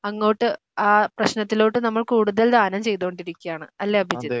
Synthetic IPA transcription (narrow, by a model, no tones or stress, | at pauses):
ɐŋːo̞ːʈːɨ | aːprɐɕnɐt̪ːilo̞ːʈːɨnɐmːɐɭkuːɽuðɐld̪ʱaːnɐmt͡ɕe̞jt̪oːɳɖiɾikʲːijaːɳɨɐlːeɐbʱid͡ʑɐ